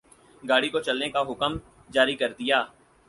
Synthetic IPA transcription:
ɡaːɽikot͡ʃɐlnekaɦʊkəm | d͡ʒaːɾikɐɾd̪ɪjaː

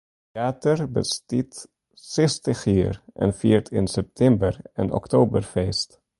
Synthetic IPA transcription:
aːtərbə̰stit | sɛstəχiːrʔɛ̰nfiːɹtʰɪnsɛp̚tʰɛmbərə̰nɔ̰ktoːbərfɛst

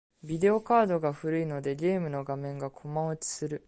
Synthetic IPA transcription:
bʲid̪e̞o̞kaːd̪o̞ɡaɸɯ̟ɾɯ̟ino̞d̪e̞ɡʲe̞ːmɯ̟no̞ɡamẽ̞ŋɡakʰo̞maot͡ɕi̥sɨɾɯ̟

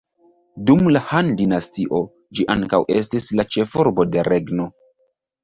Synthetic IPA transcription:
dumlahandinastiʔo̞ | d͡ʒiʔaŋkawʔe̞̰stislat͡ʃe̞foɾbo̞de̞ɾe̞ɡno̞

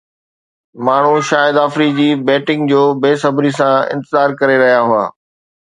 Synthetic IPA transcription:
maːɳ̤uʃaːjɪd̪aːfɾid͡ʑiːbɛːʈɪ̃ŋɡ̚d͡ʑoːbeːsɐbʱɾisãɪ̰̃nt̪ɪzaːɾkɐɾeɾɐɦijaɦʊa̰ː

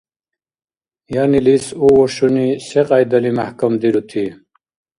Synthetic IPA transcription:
janilisuwoɕuniseqɑjd̪ɐlimahkamd̪iɾut̪ʰi

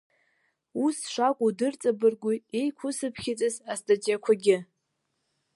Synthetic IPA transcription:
usʂʷakʷʼudɨrt͡sʼabɨrɡʷʊejkʷʰʊsɨpʰχʲɪt͡sʼɨzastʼat͡ʃʼakʷʰaɡʲɪ

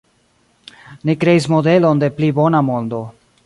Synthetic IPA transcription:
nikɾe̞is̬mo̞de̞lo̞nde̞plibo̞namo̞ndo̞

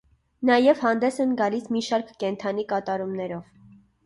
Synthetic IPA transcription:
nɑjɛvhɑnd̪ɛsɛnɡɑlismiʃɑɾkːɛnt̪ʰɑn̪ikɑt̪ɑɾumnɛɾɔv̥

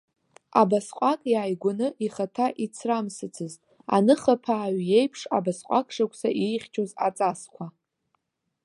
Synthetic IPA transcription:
abasqʷʼakʼjaːjɡʷʊnɨʔiχatʰaʔit͡sʰramsɨt͡sʰɨz | a̰nɨχapʰaːɥje̞jpʰʂabasqʷʼakʼʰʂakʷʰʼsaʔijχʲt͡ʃʰʼoza̰t͡sʼaskʷʰa

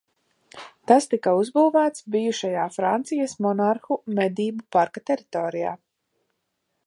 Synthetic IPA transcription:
t̪ast̪ikauzbuːvæːt̪sbijuʃajaːfɾant̪sijasmɔnaɾxumɛd̪iːbupaɾkat̪ɛɾit̪ɔːɾija̰ː

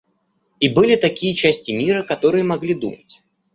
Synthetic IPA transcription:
ibɨlʲɪt̪ɐkʲijət͡ɕæsʲtʲɪmʲiɾəkɐt̪o̞ɾɨjəmɐɡlʲid̪ṵmətʲ

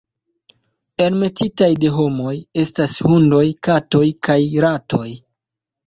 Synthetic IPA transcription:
e̞ɾme̞titajde̞ɦo̞mo̞je̞stashundo̞jkato̞jkajɾato̞j

